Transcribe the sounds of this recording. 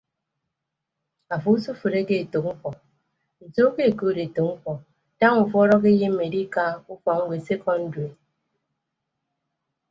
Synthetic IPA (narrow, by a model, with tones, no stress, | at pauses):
a˨fu˨˦su˦fu˨ɾe˦ke˦e˨to˨k̚ŋ͡m̩˦kɔ˨ | n̩˨to˦ke˦˨ko˨ɾe˨to˨kŋ̩˦kɔ˨ | da˦ŋu˨fu˦ɔ˦ɾɔ˦k̬e˦je˦m̩˦me˨ɾi˦ka˦u˦fɔ˨ŋ̩˦ɡʷe˨se˦kʰɔ˦n̩˦de˨